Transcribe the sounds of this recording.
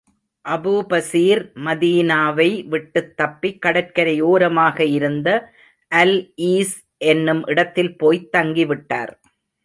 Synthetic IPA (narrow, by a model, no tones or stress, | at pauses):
ʔɐbupɐsiːɾmɐðiːnaːʋɐɪʋɪʈːɯt̪ːɐpːɪkːɐɽɐɾkɐɾɐɪjoːɾɐmaːɣɐɪɾɯnd̪ɐ | ʔɐliːs | ʔɛnːɯmʔɪɽɐt̪ːɪlpoːjt̪ːɐŋɡiʋɪʈːa̰ːɾ